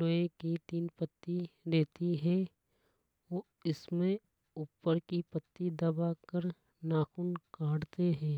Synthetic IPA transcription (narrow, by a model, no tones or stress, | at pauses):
loekit̪iːnpət̪ːiɾeːt̪iɦɛ̃ | oː | ɪsmẽ | uːpːəɾkipət̪ːid̪ɐbakəɾ | naːxʊnkaːɽt̪eɦɛ̃ː